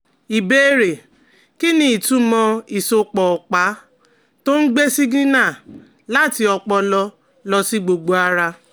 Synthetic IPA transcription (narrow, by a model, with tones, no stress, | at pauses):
i˨be˦ɾe˨ | ki˦nĩ˦i˨tũ˨˦mɔ̃˧i˨so˨k͡pɔ˨ɔ˨k͡pa˨˦ | to˦n̩˦ɡ͡be˦si˦ɡĩ˦nã˦˨ | la˦˨ti˧ɔ˧k͡pɔ˧lɔ˧ | lɔ˧si˦ɡ͡bo˨ɡ͡bo˨a˦ɾa˧